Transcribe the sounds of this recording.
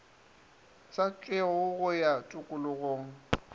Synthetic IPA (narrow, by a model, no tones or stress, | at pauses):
sat͡ɬʼɪʊɣʊjatʼʊkʼʊlʊɣoːŋ̩